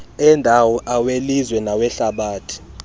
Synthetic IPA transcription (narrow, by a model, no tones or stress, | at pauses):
ɛndʱawɔʔawelizwɛnawɛɬaɓaːtʰi̥